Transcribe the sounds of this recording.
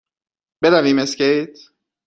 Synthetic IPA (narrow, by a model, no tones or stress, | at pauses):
b̥ed̪æviːmeskʲejt̪